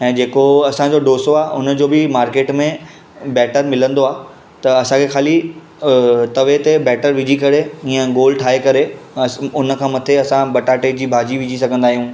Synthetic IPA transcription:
ɛ̃ːd͡ʑeːkoɐsãd͡ʑoɖoːsoaːʊnə̆d͡ʑoːbɪmaːɾkeːʈmẽ | bɛːʈəɾmɪlə̃nd̪oaː | t̪ɐɐsãkʰexaːli | t̪ɐʋet̪ebɛːʈəɾʋɪd͡ʑʱikɐɾeĩjə̃ɡoːlʈʰaːɦekɐɾe | ʊnəkʰãːmɐt̪ʰeɐsãbɐʈaːʈed͡ʑiːbʱaːd͡ʑiʋɪd͡ʑʱis̬ɐɡʱə̃nd̪aːɦijũː

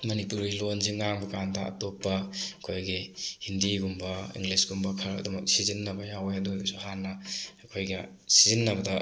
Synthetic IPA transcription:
mɐnipuɾɡilonziŋaŋbɐkandɐʔa̰topːɐkʰojɡihindiɡumbɐḭŋɡlisɡumbɐkʰɐɾɐ̰duŋmɐk̚sizinːɐbɐjawjadojsuɦanːɐakʰojɡɐ | sizinːɐbɐdɐ

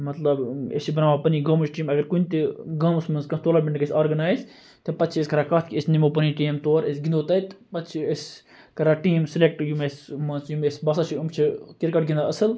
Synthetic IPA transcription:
mɐt̪lɐbḛsibɐnaːmaːpɐniːɡɐmut͡ʃʈiːmɐɡɐɾkunʲt̪iɡɐmusmɐnskɐ̃t̪oːlɐbʲeɳɖkɐsʲaːɾɡɐnaːjz | t̪ɐpɐt̪t͡ʃʰiesʲkɐɾaːkat̪ʰkiesnimoːp̬ɐniʈiːmt̪oːɾesɡind̪oːt̪ɐt̪pɐt̪t͡ʃʰiesʲ | kɐɾaːʈiːmsilek̚ʈjumesmɐnsjumesʲbɐsat͡ʃʰiumt͡ʃʰikiɾkɐʈɡʲind̪aɐsɨl

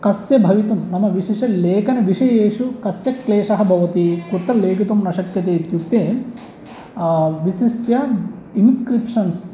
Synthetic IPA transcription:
kɐsjɐbʱɐʋit̪ɐmːɐmɐʋiʃiʂɐleːkɐnɐʋiʂɐjeːʂukɐsjɐkleːʂɐɦɐbʱɐʋɐt̪ikut̪ːɐleːkut̪ɐmnɐʃɐkjɐt̪eːt̪juk̚t̪e | ʋisisjɐinskɾipʂɐns

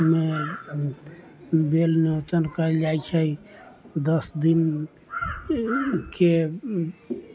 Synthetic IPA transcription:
me | belniət̪ənkəɛld͡ʒajt͡ʃʰəid̪əsd̪in | ke

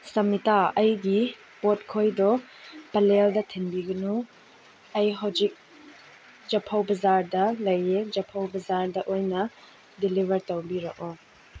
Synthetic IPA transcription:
sɐmitaɐjɡi | pot̚kʰojdɔpɐleldɐtʰinbiɡɐnu | ɐjɦɐwzik̚ | d͡ʒɐpʰɐwbɐzaɾdɐlɐjed͡ʒɐpʰɐwbɐzaɾdɐʔojnɐ | dilivʱɐɾtɐwbiɾɐʔɔ

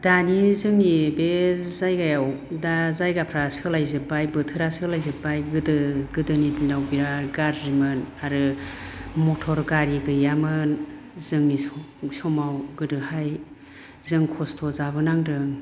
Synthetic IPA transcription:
d̥anizɯŋibezajɡajaw | dazajɡapʰɾasɯlajzɯbajbɯtʰɯɾasɯlajzɯbajɡɯdɯɡɯdɯnidinawbiɾaɡaɾzimɯnaɾɯ | mɔtʰɔɾɡaɾiɡɯjamɯn | zɯŋisɔmawɡɯdɯhaj | zɯŋkʰɔstʰɔzaβɯnaŋdɯŋ

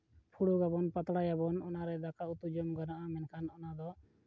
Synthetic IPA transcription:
pʰuɽuɡabɔnpat̪ɽajabɔnɔnaɾɛd̪akaut̪ud͡ʒɔmɡanaʔamɛnkʰanɔnad̪ɔ

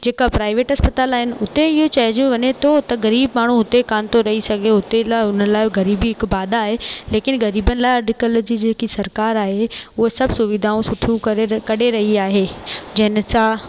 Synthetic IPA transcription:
d͡ʑeːkapɾaːɪʋeːʈɦɐspət̪aːlaːɦɪnɪ̆ʊt̪eɪɦot͡ɕɐd͡ʑũʋɐɲet̪ʰot̪ɐɣɐɾiːbmaːɽ̤̃ũɦʊt̪ekaːnt̪oɾɐɦisɐɡʱeɦʊt̪elaʊn̤ənlaːɪɡɐɾiːbiɦɪkbaːd̪aaːɦeleːkɪnɡɐɾiːbənɪ̆laːɪɐɖɪkəld͡ʑiːd͡ʑeːkisɐɾkaːɾaːɦeʊɦesɐbʱsʊʋɪd̪ʱaːũsʊʈʰijũkɐɽeɾɐɦiaːɦed͡ʑɐɦɪnɪ̆sã

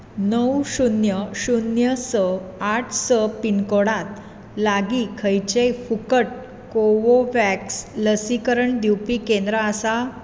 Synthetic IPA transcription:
nəwɕunjəɕunjəsəaʈʰsəpinkoɽat̪ | laɡikʰəjt͡ɕejfukəʈ̚ | koʋoʋæksləsikəɾəɳd̪iwpikẽnd̪ɾaːsa

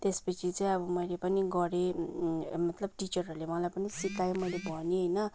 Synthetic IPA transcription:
t̪espʌt͡sʰit͡sʌ̃ĩʌbʌmʌjlepʌniɡʌɾe | mʌt̪lʌb̚ʈit͡sʌrʌɾulemʌlajpʌnisikajomʌjlebʱʌneɦʌjnʌ

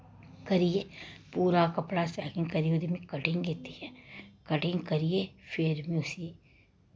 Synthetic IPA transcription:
kɐɾijeːpuːɾakɐpɽasɛːkɪ̃ŋɡkɐɾijod̪imĩkɐʈɪ̃ŋɡɡet̪iɛːkɐʈɪ̃ŋɡkɐɾijefʰeːɾmĩʊsi

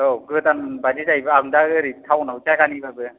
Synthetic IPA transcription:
oɡɯt̪anbadisajbɯaŋdaɯɾit̪ʰawnawt͡ʃajkanibabɯ

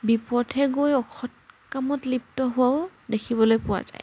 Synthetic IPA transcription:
bipɔdʱʰɛɡojɔkʰɔt̚kamɔtlip̚tɔɦʊaʊdekʰiβɔlojpʊwa̰za̰j

